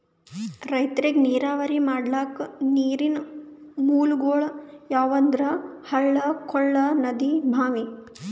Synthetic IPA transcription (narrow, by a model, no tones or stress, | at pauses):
ɾɐjt̪ɾiɡniːɾaːʋɐɾimaːɖlaːkniːɾinmuːlɡoːɭjaːʋɐnd̪ɾɐhɐɭːɐkʰɔɭːɐnɐd̪ibʱaːmi